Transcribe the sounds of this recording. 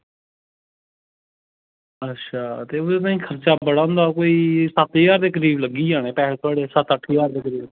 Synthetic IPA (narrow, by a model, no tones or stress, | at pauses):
ətːʃʰaːt̪eːoenãːĩːkʰəɾt͡ʃaːbəɽãːʊnd̪aːkoːiːsət̪iːɡaːɾd̪eːk̬əɾiːbləɡiːaːneːpɛːleːt̪ʰʊaːɽesət̪əʈʰːiːɡaːɾd̪eːkəɾiːb